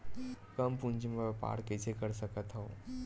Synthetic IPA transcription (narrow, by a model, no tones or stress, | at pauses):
kəmpũnd͡ʒimepa̰ːɾket͡ʃʰekəɾsəkət̪ɦoː